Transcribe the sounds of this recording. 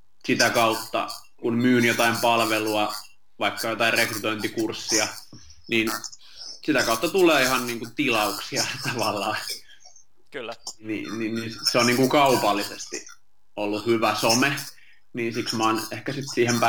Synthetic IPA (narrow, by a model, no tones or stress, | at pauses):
sit̪ækɑut̪ːɑ̰ | kunmyːnjot̪ɑimpɑlʋeluɑ | ʋɑikːɑjot̪ɑirrekryt̪oint̪ikursːiɑ | niːn | sit̪ækɑut̪ːɑt̪uleːihɑnniːŋkut̪ilɑuksiɑt̪ɑʋɑlːɑː | nḭninnisseonniːŋkukɑupɑlːisest̪ḭ | olːuhyʋæsome | niːnsiksmɑːnehkæsit̪siːhempæ